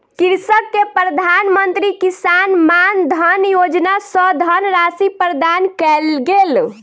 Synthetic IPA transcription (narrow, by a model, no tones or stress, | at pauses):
kiɾsəkːepɾəd̪ʱanmənt̪ɾikisanmand̪ʱənjod͡ʒnasəd̪ʱənɾasipɾəd̪ankɛlɡel